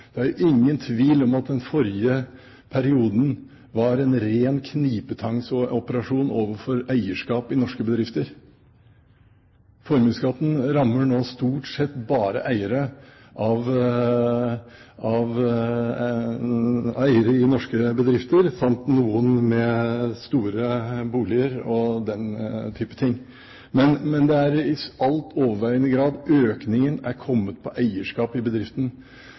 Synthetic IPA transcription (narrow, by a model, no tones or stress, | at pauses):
d̪̥ɛæɾʊʔɪŋːənt̪ʰʋiːlɔmɑt̪̚d̪ɛnfɔɾjɪə | pʰæɾɪuːd̪n̩ | ʋɑɾɛnɾeːnkʰniːpət̪ʰɑŋsɔɔpəɾɑʂuːnoːʋəɾfɔɾæɪəʂkɑːpɪnɔʂkəbəd̪ɾɪft̪əɾ | fɔɾmʉːskɑːt̪n̩ɾɑmːəɳoːst̪uːʈsɛt̪ːbɑːɾə̰ʔæɪəɾə | ʔɑʋ | ɑʋ | æɪəɾəɪnɔʂkəbəd̪ɾɪft̪əɾsɑmt̪nuːənmɛst̪uːɾəbuːlɪəɾɔd̪ɛnt̪ʰyːpə̥t̪ʰɪŋː | mɛnmɛnd̪ɛæɾɪɑlt̪ʰoːʋəɾʋæɪənəɡɾɑːd̪øːknɪŋənæɾkʰɔmːət̪̚pʰɔʔæɪəʂkɑːpɪbəd̪ɾɪft̪ən̩